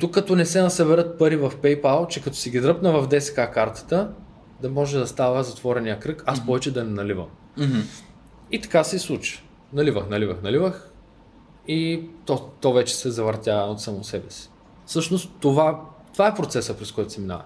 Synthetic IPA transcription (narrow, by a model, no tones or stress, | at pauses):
t̪ukːɐt̪ɔnɛsɛnɐsɐbɛɾət̪̚pəɾivɐfpɛjpalˠt͡ʃɛkɐt̪ɔ̥siɡid̪ɾɤpnəvɐvd̪ɛsɛ̥kakaɾt̪ə̥t̪ə | d̪ɐmɔʒɛd̪ɐst̪avəzɐt̪vɔɾɛnijəkɾɤkaspɔvɛt͡ʃɛd̪ɐnɛnɐlivə̰m | it̪ɐ̥kasɛislˠut͡ʃi̥ | nɐlivəxnɐlivəxnɐlivəx | it̪ɔt̪ɔvɛt͡ʃɛ̥sɛzɐvəɾt̪ʲaot̪samosɛbɛsi̥ | fsɤʃnost̪ːovat̪ovaɛpɾot̪sɛsəpɾɛskɔjt̪ʊ̥sɛmina̰vɐ̰